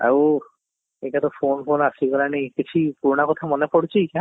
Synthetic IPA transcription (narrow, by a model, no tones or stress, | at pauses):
a̰w | eʈat̪ɔpʰonpʰonasibɔlanejkit͡ʃʰipuɾnakɔt̪ʰamɔnepɔɽt͡ʃʰikã